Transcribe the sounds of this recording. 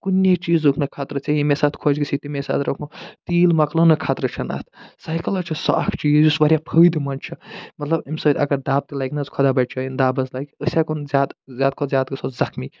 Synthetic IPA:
kunʲːet͡ʃiːzokʰnɐkʰat̪ɾɐt͡ʃʰɐjimesat̪kʰod͡ʒɡit͡sʰit̪imesa̰ːt̪ɾɐkʰũt̪iːlmɐklonɐkʰat̪ɾɐt͡ʃʰɐna̰t̪ʰsajkɐlɐt͡ʃʰɐsa̰kʰt͡ʃiːzjusʋɐɾʲjapʰəd̪mɐnt͡ʃʰɐmɐt̪lɐbimsɐd̪ɐ̰ɡɐɾd̪aːb̚t̪ilajknɐzkʰɔd̪abɐʈ̚t͡ʃʰoind̪aːbɐzlajkəsʲakonzʲaːd̪zaːd̪̚kʰozjaːd̪̚kosʰozɐkmi

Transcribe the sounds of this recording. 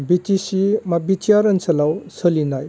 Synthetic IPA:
bitisimabitijaɾənsɐlawsəlinaj

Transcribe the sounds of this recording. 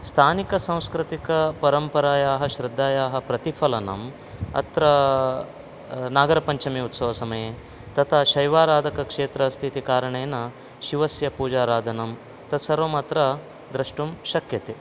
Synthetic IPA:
st̪ʰaːnikɐsãw̃skɾɪt̪ikɐpɐɾɐmpɐɾaːjaːɦɐʃɾɪd̪ʱːaːjaːɦɐpɾɐt̪ipʰɐlɐnɐ̰m | ɐ̰t̪ɾɐ | naːɡɐɾɐpɐɲt͡ʃɐmiut̪sɐʋɐsɐmɐjeː | t̪ɐt̪ʰaʃɐjʋaːɾaːd̪ʱɐkɐkʂeːt̪ɾɐst̪ʰit̪ikaːɾɐɳeːnɐ | ʃiʋɐsjɐpuːd͡ʒaːɾaːd̪ʱɐnɐm | t̪ɐt̪sɐɾʋɐmaːt̪ɾɐ | d̪ɾɐʂʈumʃɐkjɐt̪eː

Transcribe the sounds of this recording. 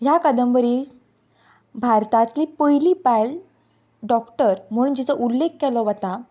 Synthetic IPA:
jakəd̪əmbəɾi | bʱaɾt̪ãt̪liːpəjlipajl | ɖɔkʈəɾm̤əɽund͡ʑit͡səʔulːek̚kɛlɔʋət̪a

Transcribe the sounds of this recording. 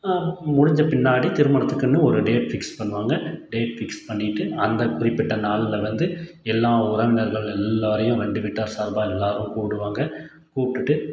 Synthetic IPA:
mʊɽɪɲd͡ʒɐpɪnːaːɽit̪ɪɾɯmɐɳɐt̪ːɯkːɯnːɯɔɾɯɖeːʈfɪkspɐɳːɯʋaːŋɡɐɖeːʈfɪkspɐɳːɪʈːɯɐnd̪ɐkʊrɪpːɪʈːɐnaːlɪlɐʋɐnd̪ɯ | ɛlːaːʊɾɐʋɪnɐɾɣɐɭɛlːaːɾɐjʊ̃ɾɛɳɖɯʋɪʈːaːɾsaːɾbaːɛlːaːɾɯ̃mkuːɽɯʋaːŋɡɐ | kuːʈːɯʈːɯ

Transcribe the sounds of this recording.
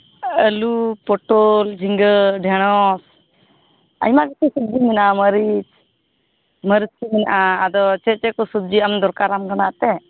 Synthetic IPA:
əlupɔʈold͡ʒʱiŋɡəɖʱɛɽ̃ɔs | a̰jmakit͡ʃisub̪̚d͡ʒiminʔaməɾit͡ʃ | məɾiskiminʔaːd̪ɔt͡ʃɛt͡ʃɛkɔsub̪̚d͡ʒiamd̪ɔɾkaɾamɡənat̪ɛ

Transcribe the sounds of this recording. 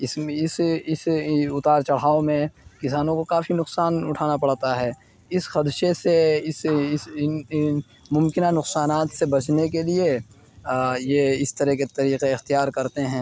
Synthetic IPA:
ɪsɪsɪsʊt̪aːɾt͡ʃɐɽ̤aːomẽkɪsaːnõkokaːfinʊqsaːnʊʈʰaːnapɐɽ̤t̪aɦɛː | ɪsxɐd̪ʃeseɪsɪs | mʊ̃mkɪnanʊqsaːnaːt̪sebɐt͡ʃnek̬elie | jeɪst̪ɐɾɛɦket̪ɐɾiːqeɪxt̪ijaːɾkɐɾt̪eɦɛ̃ː

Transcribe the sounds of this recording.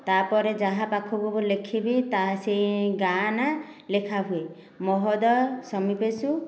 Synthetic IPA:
t̪apɔɾed͡ʒaɦapakʰɔbɔbulekʰibit̪asejɡana | lekʰaɦue | mɔɦɔd̪ɔsɔmipesu

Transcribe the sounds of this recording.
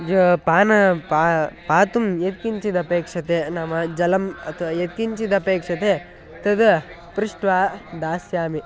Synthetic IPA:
d͡ʒopaːnɐpapaːt̪umjet̪̚kiɲt͡ʃid̪ɐpeːkʂɐt̪eːnɐmɐd͡ʒɐlɐmɐ̰t̪ʰɐʋaːjet̪̚kiɲt͡ʃid̪ɐpeːkʂɐt̪e | t̪ɐd̪ | pɾiʂʈʋaːd̪aːsjaːmi

